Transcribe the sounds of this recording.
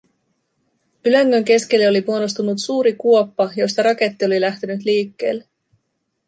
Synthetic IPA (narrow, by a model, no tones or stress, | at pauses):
yløŋːøŋk̟e̞sk̟e̞lːeo̞lipuonost̪unut̪suːɾikuo̞pːɑjo̞st̪ɑɾɑke̞t̪ːio̞lilæht̪enyt̪liːkːe̞̰ːlːe